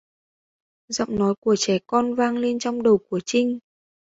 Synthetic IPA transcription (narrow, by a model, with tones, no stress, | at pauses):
zə̰˧˨wŋ͡mnɔ˨˦jku˧˩ət͡ɕɛ˧˩kɔ˧nvaː˧ŋle˧nt͡ɕɔ˧wŋ͡mɗə˨˩wku˧˩ət͡ɕï˧ŋ̟